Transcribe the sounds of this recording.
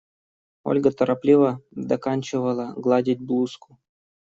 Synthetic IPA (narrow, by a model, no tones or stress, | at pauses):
o̰lʲɡət̪əɾʔɐplʲivəd̪ɐkanʲt͡ɕɪvəlˠəɡlˠadʲɪt̚ʲblˠuskʊ̥